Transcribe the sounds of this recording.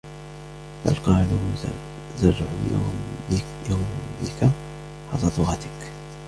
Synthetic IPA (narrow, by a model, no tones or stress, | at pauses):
ba̰lqɑːlu | zarːʕṵ | jawmːɪ̰ka | ħɑ̰lˤɑd̪ˤʊɣɑt̪ɪk